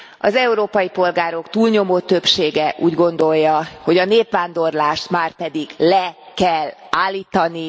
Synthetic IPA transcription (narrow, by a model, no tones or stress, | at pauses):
ɒ̰zɛuɾoːpɒjipo̞lɡaːɾo̞kt̪uːlɲo̞moːt̪ø̞pʃeːɡɛʔuːɟɡo̞nd̪o̞jːɒho̞ɟɒneːpʋaːnd̪o̞rlaːʃt̪maːrpɛd̪iɡlɛ | kɛlaːlːiːt̪ɒni